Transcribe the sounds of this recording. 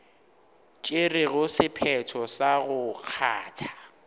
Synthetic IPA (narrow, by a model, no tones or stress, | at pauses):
t͡ʃʼɪrɪɣʊsɪpʰɛtʰɔsaɣʊk͡xʰa̰ːtʰḁ